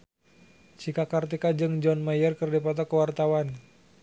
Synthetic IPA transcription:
t͡ʃikakart̪ikad͡ʒɨŋd͡ʒɔnmajərkərdipɔt̪̬ɔkəwart̪awan

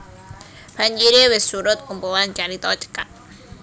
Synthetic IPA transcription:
b̥aɲd͡ʒiɾewɪsːuɾʊt̪̚kumpowant͡ʃaɾit̪ɔt͡ʃə̥kat̪̚

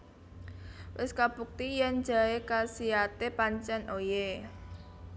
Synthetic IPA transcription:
wɪskab̥uk̚t̪ijɛn̥ʒ̥a̤ekasiat̪epaɲt͡ʃɛnʔoje

